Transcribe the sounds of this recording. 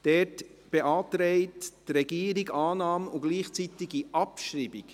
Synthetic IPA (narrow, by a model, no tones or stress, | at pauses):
d̥ɛtb̥eʔɑːtɾɛɪttrɛɡ̥iːəɾiɡɑːnɑːmʊɡ̥liːχt͡sit̪ɪɡiʔɑpʃɾiːbik